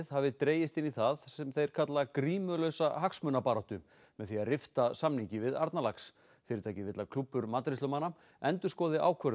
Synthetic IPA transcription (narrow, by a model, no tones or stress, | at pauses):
ðhavɪt̪ɾeːjɪst̪ɪnːiθaðsɛmθejɾ̥kʰat̪lakɾiːmʏlœɥsaɦaksmœnapaːɾat̪ʏ | mɛðθiarɪft̪asamniɲcɪvɪða̰ɾt̪nalaks | fɪɾɪɾt̪ʰaːjcɪvɪt̪lakʰlupːʏɾmaːt̪ɾɪslœmana | ɛnt̪ʏ̥skɔːðɪʔa̰ːwkʰvœɾ